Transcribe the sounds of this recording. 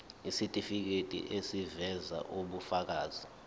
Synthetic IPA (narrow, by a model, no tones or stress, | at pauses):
isitʼifik̬etʼḭʔesivɛza̰ʔuɓufak̬aːzi